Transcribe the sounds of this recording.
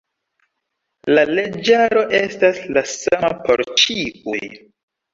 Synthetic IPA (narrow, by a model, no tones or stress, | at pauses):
laled͡ʒaɾo̞ʔe̞staslasama̰po̰ɾt͡ʃiṵj